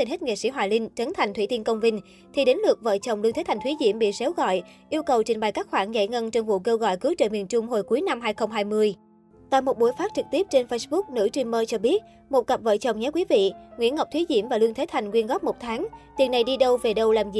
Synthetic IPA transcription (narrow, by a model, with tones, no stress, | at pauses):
i˨˩ne˦˥t̚ŋḛ˧˨sḭ˧˥˩ɦwaː˨˩lï˧ŋ̟t͡ɕə˨˦nt̪ʰa˨˩jŋ̟t̪ʰwi˧˩t̪i˧nkə˧wŋ͡mvï˧ŋ̟ | t̪ʰi˨˩ɗe˨˦nlɨ˨˩ək̚və̰ː˧˨t͡ɕə˨˩wŋ͡mlɨ˧ŋt̪ʰe˨˦t̪ʰa˨˩ŋ̟t̪ʰwi˨˦zḭ˧˩əmɓḭ˧˨sɛ˨˦wɣɔ̰˧˨jʔi˧əwkə˨˩wt͡ɕï˨˩ŋ̟ɓa˨˩jkaː˦˥k̚xwaː˧˩nza̰˧˩jŋə˧nt͡ɕwŋ͡mvṵ˧˨ke˧wɣɔ̰˧˨jkɨ˨˦əwt͡ɕə̰˧˨˩mi˨˩ənt͡ɕʊ˧ŋ͡mho˨˩jku˨˦jna˧mɦaː˧jxə˧wŋ͡mɦaː˧jmɨ˧əj | t̪a̰ː˧˨jmo˨˩t̚ɓu˧˩əjfaː˦˥t̚t͡ɕɨ˨˩k̚t̪i˦˥əp̚t͡ɕe˧nfə˧jsɓʊ˦˥k̚nɨ̰˧˥t͡ɕwi˧mːəː˧t͡ɕɔ˧ɓi˦˥ət̚ | mo˨˩t̚kə˨˩p̚və̰˧˨jt͡ɕə˨˩wŋ͡mɲaː˨˦kwi˨˦vḭ˧˨ŋwḭ˧˥ənŋə˨˩wk͡p̚t̪ʰi˨˦zḭ˧˩əmvaː˨˩lwɨ˧əŋt̪ʰe˨˦t̪ʰa˨˩jŋ̟ŋwi˧ənɣɔː˦˥p̚mo˨˩t̚t̪ʰaː˨˦ŋt̪i˨˩nːa˨˩jɗi˧ɗə˧wve˨˩ɗə˧wlaː˨˩mzḭ˨˩